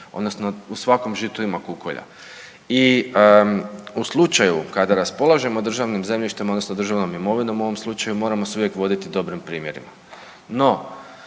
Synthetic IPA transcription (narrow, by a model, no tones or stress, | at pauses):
o̞d̪nosnousʋako̞mʒit̪uimakuko̰ʎa̰ | i | uslˠut͡ʃajukad̪aɾaspo̞lˠaʒe̞mod̪ɾr̩ʒaʋnimze̞mʎiʃt̪emod̪nosnod̪r̩ʒaʋno̞mimo̞ʋino̞muo̞ʋo̞mslˠut͡ʃajumo̞ːɾamosuʋje̞kʋo̞d̪it̪id̪o̞bɾimpɾiːmje̞ɾḭma | no̞